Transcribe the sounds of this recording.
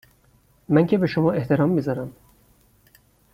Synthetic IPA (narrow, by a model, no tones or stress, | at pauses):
mæŋcʲʰe̞be̞ʃomɒːe̞ht̪ʰe̞ɾɒːmːizɒɾæm